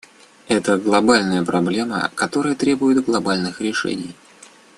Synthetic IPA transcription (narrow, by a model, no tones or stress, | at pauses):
ɛt̪əɡlˠɐbalʲnəjəpɾɐblʲe̞mə̰kɐt̪o̞ɾəjət̪ɾʲe̞bʊjɪt̪ɡlˠɐbalʲnɨxɾʲɪʂɛ̰nʲɪj